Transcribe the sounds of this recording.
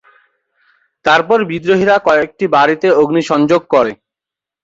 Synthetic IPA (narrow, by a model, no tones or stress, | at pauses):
t̪aɾpɔɾbid̪ɾoɦiɾakɔek̚ʈibaɾit̪eoɡniʃɔnd͡ʑoɡ̚kɔɾe